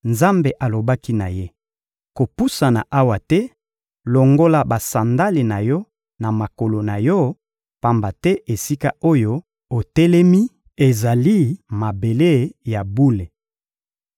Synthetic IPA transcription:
nza˦mbe˨ʔa˨lo˨ba˦ki˦na˨je˦ | ko˨pu˦sa˨na˨ʔa˦wa˨tɛ˦ | lo˨ŋɡo˦la˨ba˨sa˨nda˦le˨na˨jɔ˦ | na˨ma˨ko˨lo˨na˨jɔ˦ | pa˨mba˨tɛ˦ʔe˨si˦ka˦o˦jo˦ | o˨tɛ˦lɛ˦mi˦ | e˨za˨li˦ma˨be˨le˦ja˨bu˦le˨

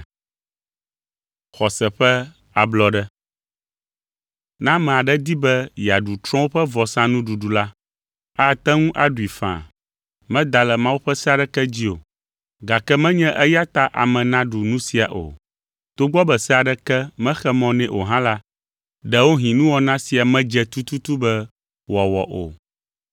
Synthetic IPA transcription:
xɔ˨sɛ˨ɸɛ˦ | a˨blɔ˨ɖɛ˦ | nã˦mɛ̃˨a˨ɖɛ˦d̪i˦bɛ˦ja˨ɖu˨t̪ɾɔ̃˦wo˦ɸɛ˦vɔ˨sã˦nũ˦ɖu˨ɖu˨la˦ | a˦˨t̪ɛ˦ŋũ˦ʔa˨ɖu˨i˨fã̰˨ | mɛ̃˦d̪a˨lɛ˨mã˦wu˦ɸɛ˦sɛ˦a˨ɖɛ˦kɛ˦d͡ʑi˦o˨ | ɡa˨kɛ˦mɛ̃˦ɲɛ̃˦ʔɛ˦ja˦t̪a˦ʔa̰˨mɛ̃˨nã˦ɖu˨nũ˦si˨a˨ʔo̰˨ | t̪o˦ɡ͡bɔ˦bɛ˨sɛ˦a˨ɖɛ˦kɛ˦mɛ̃˦xɛ˦mɔ̃˨nɛ̃˦ʔo˨ɦã˦la˦ | ɖɛ˨wo˦ɦĩ˨nũ˦wɔ˨nã˦si˨a˨mɛ̃˦d͡ʒɛ˨t̪u˦t̪u˦t̪u˦bɛ˦ | wɔ˨wɔ̰˨ʔo̰˨

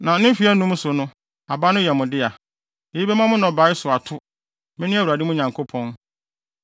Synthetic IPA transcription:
nã˨nɪ̃˦fi˨˦ɛ˦nũ˦m˦sʊ˨nʊ̃˦ | a˨ba˦nʊ̃˦jɛ˨mʊ̃˨dɪ˦a˨ | e˨i˦bɛ˦mã˦mʊ̃˦nɔ̃˨ba˨˦ɪ˦sʊ˨a˨tʰʊ˦ | mɪ̃˦nʊ̃˦a˦˨u˨a˨di˦mʊ̃˦ɲã˨ŋkʰo˦pʰɔ̃˦n

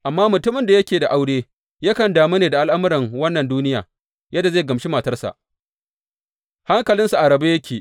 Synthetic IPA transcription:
ʔa˨mːaː˦mʊ˨tʊ˦mɪ˨nda˨jɐ˦kʲeː˨da˨ʔa˦wɽeː˦ | ja˦kɐ˨ndaː˨mu˦neː˨da˨ʔa˦lʔa˦mʊ˦ɾɪ˨ŋwɐ˦nːɐ˨nduː˦nɪ˦jaː˨ | jɐ˦dːa˨ze˦˨ɡɐ˨mʃi˦ma˨tɐ˦rsa̰˨ʔ | ha˦ŋkɐ˨lɪ˦nsu˨ʔa˨ɽɐ˨ba˦jɐ˦kʲʰeː˨ʔ

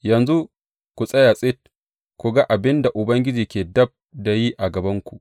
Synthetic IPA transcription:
jɐ˨nzu˦ | kʷu˨sʼɐ˦ja˨sʼɪ˦t̚ | kʷu˨ɡa˦ʔa˨bɪ˦nda˨ʔʊ˨bɐ˦ŋɡʲɪ˦d͡ʒiː˨kʲeː˨dɐ˦b̚da˨ji˦ʔa˨ɡɐ˨bɐ˦ŋkʷu˨ʔ

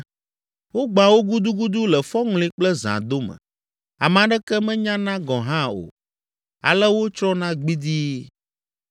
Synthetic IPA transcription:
wo˦ɡ͡ba˨wo˦ɡu˦d̪u˦ɡu˦d̪u˦lɛ˨fɔ˦ŋlĩ˦k͡plɛ˦zã̰˨d̪o˦mə̰̃˨ | a̰˨m˨ã˨ɖɛ˦kɛ˦mɛ̃˦ɲã˦nã˦ɡɔ̃˨ɦã˦o̰˨ | a̰˨lɛ˦wo˦t͡ʃɾɔ˦nã˦ɡ͡bi˦d̪i˦

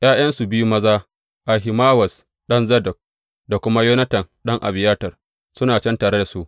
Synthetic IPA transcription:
j̰ʔaː˦j̰ɐ˦nsu˨bɪ˦ju˦mɐ˦zaː˦ | ʔa˨ɦɪ˨maː˦wɐ˨s | ɗɐ˦nzɐ˦dɐ˨k̚ | da˨kʷʊ˦ma˦joː˦nɐ˦tɐ˨nɗɐ˦ŋʔa̰˨bɪ˨jaː˦tɐ˨r | sʊ˦naː˨t͡ʃɛ˦ntaː˨ɽe˦da˨su˦ʔ

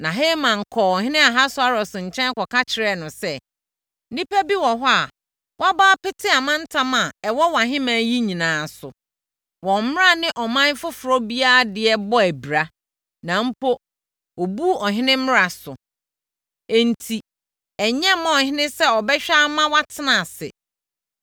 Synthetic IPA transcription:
nã˨ɦeː˦mã˨ŋ̩˨kʰɔː˨ɔ˨ɦɪ̃˦nɪ̃˦a˨ɦa˦sʊ˦a˨ɾɔ˨sʊ̃˨ɲ̩˨t͡ɕʰɛ̃˦n˦kɔ˨ka˦t͡ɕʰɪ˨ɾɛ˦˨nʊ̃˨sɛ˦ | nĩ˦pæ˦bi˦wɔ̃˨ɦʊ˦a˨ | wa˦baː˦pɪ˦tʰɪ˦a˨mã˦n̩˦tʰã˦mã˨ɛ˨wɔ˦wã˨ɦɪ̃˦mãː˨˦ji˦ɲĩ˨nãː˨sʊ˨ | wɔ̃˨m̩˦mɪ˦ɾa˦˨nɪ̃˦ʔɔ˨mã˦n˦fʊ˦fʊ˨ɾɔ˦bi˦a˦˨dɪ˨ɛ˦bɔ˦æ˨bɾa˨ | nã˨m̩˦pʰo˦ | o˨bu˦ɔ˨ɦɪ̃˦nɪ̃˦mɪ̃˦ɾa˨sʊ˨ | e˨n̩˨tʰi˨ | ɛ˨ɲɛ̃˦mã˦ɔ˨hɪ̃˦nɪ̃˦sɛ˦ɔ˨bɛ˦ɕᶣa˦mã˦wa˦tʰɪ˦nã˨sɪ̰˨

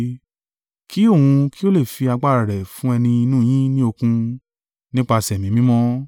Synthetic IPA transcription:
kʰi˦o˦˨wũ˧ki˦o˦le˦˨fi˧a˧ɡ͡ba˦˨ɾa˨ɾɛ˨fũ˦ɛ˧nĩ˧i˧nũː˦˨j̃ĩ˦nĩ˦o˧kũ˧ | nĩ˦k͡pa˧˨sɛ˨mĩ˨˦mĩ˦mɔ̃˦

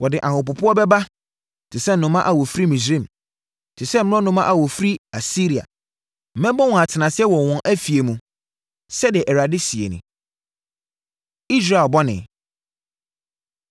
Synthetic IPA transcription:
wɔ˨dɪ˨ʔã˨hʊ˨pʊ˨pʰʊ˦ɔ˦bɛ˦ba˦ | tʰɪ˨sɛ˦n̩˨nʊ̃˨˦mã˦ʔa˨wɔ˨fɾi˦mĩ˨sɾĩ˦˨m | tʰɪ˨sɛ˦m̩̃˦ʊ̃˦nʊ̃˦mã˦ʔa˨wɔ˨fɾi˦a˨si˦ɾi˨a̰˨ | m̩˨˦mɛ̃˦bɔ˦wɔ̃˨a˨tʰɪ˨nã˨sɛ˦wɔ˨wɔ̃˦ʔæ˦fi˨e˨mũ˨ | sɛ˦dɪ˨ʔɛ˨ɾa˨dɪ˦si˨ḛ˨nʊ̰̃˨ | i˦s̬ɾa˨bɔ˦nɪ̰̃˨

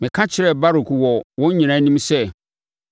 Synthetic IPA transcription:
mɪ̃˨kʰã˦t͡ɕʰɪ˨˦ɾɛ˦˨ba˦ɾu˨kwɔ˨wɔ̃˦ɲ˦ɲĩ˨ñã˦nĩ˦msɛ˦

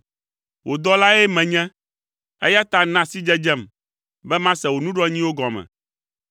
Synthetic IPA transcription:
wʔo˨d̪ɔ˦la˦ɛ˦mɛ̃˨ɲɛ̃˦ | ḛ˦ja˦t̪a˦nã˦si˦d͡ʒɛ˦d͡ʒɛ˦˨m | bɛ˦mã˦sɛ˨wo˨nũ˦ɖɔ˦ɲĩ˦wo˦ɡɔ˨mɛ̰̃˨

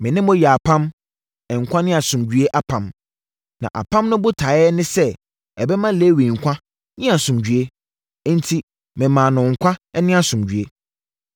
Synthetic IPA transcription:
mɪ̃˨nɪ̃˦mʊ̃˦jɛ˨a˨pʰã˦m | ɛ˨ŋ̩˨kʷʰã˦nɪ̃˦a˨sʊ̃˨md͡ʑɥe˦ʔa˨pʰã˨m | nã̰˨ʔa̰˨pʰã˦mnʊ̃˦bʊ˦tʰa˨˦ɛ˦nɪ̃˦sɛ˦ | ɛ˨bɛ˦mã˦le˦wĩ˨ŋ̩˨kʷʰã˦ | nɪ̃˦a˨sʊ̃˨md͡ʑᶣɥe˦ | n̩˦tʰi˦ | mɪ̃˨mã˨nʊ̃˨ŋ̩˨kʷʰa˦ɛ˦nɪ̃˦a˨sʊ̃˨md͡ʑɥe˦

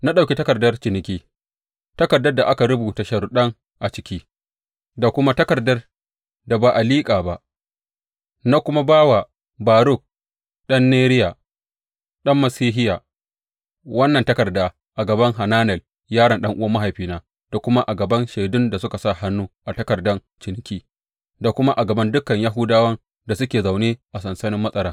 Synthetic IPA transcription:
na˦ɗa˨kʲe˦tɐ˦kɐ˨rdɐ˦rt͡ʃɪ˨nɪ˨kʲiː˦ | tɐ˦kɐ˨rdɐ˦rda˨ʔa˦ka˨ɽʊ˦bu˨ta˨ʃɐ˨ɾʊ˨ɗɐ˦ŋ | ʔa˨t͡ʃɪ̥˨kʲiː˦ | da˨kʷʊ˦ma˦tɐ˦kɐ˨rdɐ˦r | da˨baː˨ʔa˨liː˦kʼaː˨ba˦ʔ | na˦kʷʊ˦ma˦baː˦wa˨ | baː˨ɾʊ˦˨k̚ | ɗɐ˦nːeː˦ɾɪ˦ja˨ | ɗɐ˦mːɐ˨siː˦ɦɪ˦ja˨ | wɐ˦nːɐ˨ntɐ˦kɐ˨rdaː˦ | ʔa˨ɡɐ˨bɐ˦ŋɦa˨naː˦nɛ˨l | jaː˦ɽɐ˨nɗɐ˦ŋʔʊ˦wɐ˦mːa˦ɦa˨jɸiː˦naː˦ | d̥a˨kʷʊ˦ma˦ʔa˨ɡɐ˨bɐ˦nʃe˨dʊ˦nda˨sʊ˦ka˨sa˦˨ha˦nːuː˦ʔa˨tɐ˦kɐ˨rdɐ˦n | t͡ʃɪ˨n˦kʲiː˦ | da˨kʷʊ˦ma˦ʔa˨ɡɐ˨bɐ˦ndʊ˦kɐ˨ɲja˦ɦʊ˦daː˦wɐ˦n | da˨sʊ˦kʲeː˨za˨wneː˦ʔa˨sɐ˨nsɐ˦nɪ˦mːɐ˦sʼɐ˦ɾaː˦

